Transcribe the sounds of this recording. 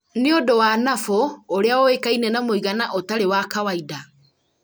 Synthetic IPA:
neodowanafooɾeaɔwekainɛnamoiɣanaʔotaɾewakawaida

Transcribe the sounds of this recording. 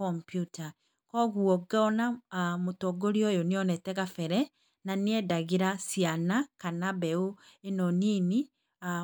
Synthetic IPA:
ɔmpjuta | kɔɣuɔɡaɔnamotɔɡoɾiɔjoniɔnɛtɛɣafɛɾɛ | naniɛdaɣiɾasianakanaβɛoenɔnini | a

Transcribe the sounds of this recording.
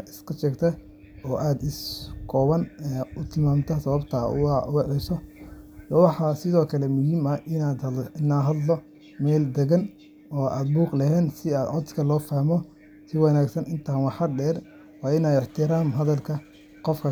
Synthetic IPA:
ʔɪskʰɐʃɛːɡt̪ʰɐ | ɔːʔaːd̪ɪskʰɔːβɐnɛʊt̪ʰɪlmaːmt̪ʰɐsɐβɐbt̪ʰɐ̰ʊʊwɛʕɛsɔ | ɔwɑħɑsɪðɔːkʰɐlɛmʊɦiːmɐɪnad̪ɪnaːɦɐd̪lɔ | mɛːld̪ɛɣɐn | ɔːʔa̰ːd̪̚buːqlɐɦɛːnsɪaːd̪ʕɔd̪kʰɐlɔːfaːhmɔ | sɪwɑnaːɡsɐnɪnt̪ʰaːnwɑħɐɖɛːr | wɑːɪnaːɪħt̪ʰɪɾaːmɦɐðɐlkʰɐ | qɔfkʰɐ

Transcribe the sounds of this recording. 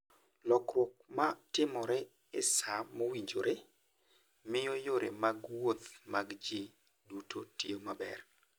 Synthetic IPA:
lɔkɾwok̚matɪmɔɾɛ | ɪ̰samowiɲd͡ʒoɾe | mɪjojoɾemaɡwot̪maɡd͡ʒe | dutotiomabɛ̰r

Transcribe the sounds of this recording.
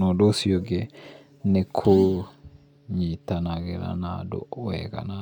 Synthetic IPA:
ɔɗosijɔɡɛ | nɛkʰo | ɲitanaɡɛɾa̰nadɔ̰ɔwɛ̰ɡa̰na

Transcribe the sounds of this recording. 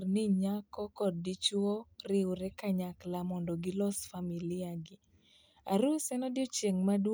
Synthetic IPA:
rnɪɲakɔkɔd̚ːɪt͡ʃɔrɪʊɾɛkaɲaklamɔndɔɡɪlɔsfamilɪaɡɪ | a̰ɾusɛnɔdjɔt͡ʃeŋmad

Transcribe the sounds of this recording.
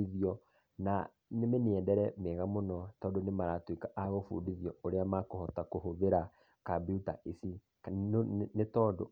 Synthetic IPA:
iðiɔ | na | nemeneɛndɛɾɛmeɣamonɔtɔːndonemaɾatwikaʔaɣofṵdiðiɔoɾeamakohɔtakoɦoβeɾa | kabiutaisi | netɔːndo̰

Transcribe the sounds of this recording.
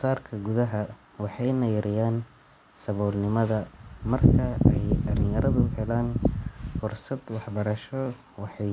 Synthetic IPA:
saːrkʰɐɡʊðɐɦɐ | wɑħɑjnɐjɐɾɪjaːn | sɐβɔːlnɪmɐðɐmɐrkʰɐɛjdɐlɪjɐɾɐðʊhɛlaːnfʊrsɐd̪wɑħbɐɾɐʃɔ | wɑħɑj

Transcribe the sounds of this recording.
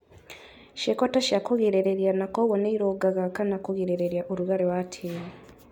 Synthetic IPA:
ʃekotaʃakoɣeɾeɾeɾjanakoɣoneiɾoɡaɣakanakoɣeɾeɾeɾjaʔoɾuɣaɾewatʰeɾe

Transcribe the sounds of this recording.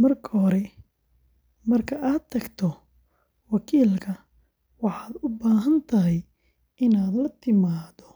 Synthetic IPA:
mɐrkʰɐɦɔɾɛ | mɐrkʰɐʔaːd̪ʰːɐɡt̪ʰɔ | wɑkʰiːlkʰɐ | wɑħɑːd̪ʊbaːɦɐnt̪ʰɐɦɛj | ɪnaːd̪lɐt̪ʰɪmaːd̪ɔ

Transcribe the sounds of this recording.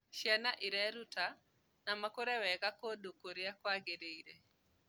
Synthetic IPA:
ʃjanaʔiɾɛɾuta | namakoɾɛwɛkakodokoɾɪakwaɡeɾeiɾe

